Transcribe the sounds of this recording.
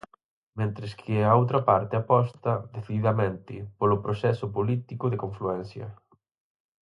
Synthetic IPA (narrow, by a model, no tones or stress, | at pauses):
mẽnt̪ɾɪskʰɪaowt̪ɾɐpaɾt̪ɪapɔst̪ɐðeθiðiðɐmẽnt̪ɪpolʊpɾosɛsʊpolit̪ikʊðekoɱfluɛnθjɐ̰